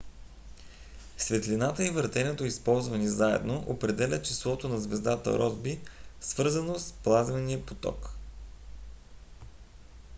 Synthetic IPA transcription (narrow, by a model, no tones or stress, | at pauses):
svɛt̪linat̪əivəɾt̪ɛnɛt̪oispɔlˠzvənizaɛ̰d̪noʔopɾɛd̪ɛlʲət͡ʃislˠɔt̪onɐzvɛzd̪at̪ə̰ɾɔzbisvɤɾzənosplˠazvɛniəpot̪ɔ̰k